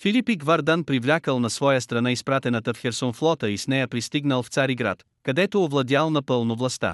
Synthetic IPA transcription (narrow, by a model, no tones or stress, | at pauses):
filʲipiɡvɐɾd̪anpɾivlʲakəlˠnɐsvɔjəst̪ɾɐnaispɾat̪ɛnət̪əfxɛɾsonflˠɔt̪əisnɛjəpɾist̪iɡnəlˠft̪saɾiɡɾa̰t̪ | kɐd̪ɛt̪oːvlˠɐd̪ʲjalˠnɐpɤlˠnovlˠɐst̪a̰